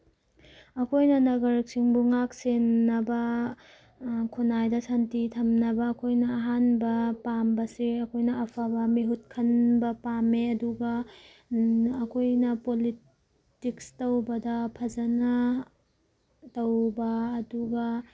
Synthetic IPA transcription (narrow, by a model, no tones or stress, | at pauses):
ɐkʰojnɐnɐɡɐɾk̚siŋbuŋak̚senːɐbɐ | kʰunajdɐsantitʰɐmnɐbɐːkʰojnɐːɦanbɐpambɐsiɾɐkʰojnɐːpʰabɐmiɦut̚kʰɐnbɐpameɐduɡɐ | ɐkʰojnɐpoli | tikstɐwbɐdɐpʰɐzɐnɐ | tɐwbɐːduɡɐ